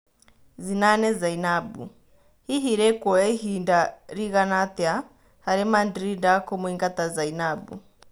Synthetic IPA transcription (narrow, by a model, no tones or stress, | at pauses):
zinanɛzainabṵ | hiɦiɾɛkwɔɛɦindaɾiɣanat̪ɛa | haɾɛmandɾindakɔmuiŋɡat̪azainabṵ